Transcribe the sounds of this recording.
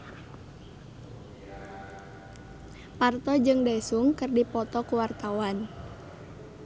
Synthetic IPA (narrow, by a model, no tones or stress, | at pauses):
part̪ɔd͡ʒɨŋdasuŋkɨrdipɔt̪ɔkuwart̪awan